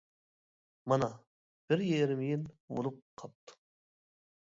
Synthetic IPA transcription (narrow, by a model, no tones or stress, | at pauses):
mɑnɑ | b̥ɪɾjeɾɪmijinbo̰lˠup̚qʰɑp̚t̪ʰːɨ̥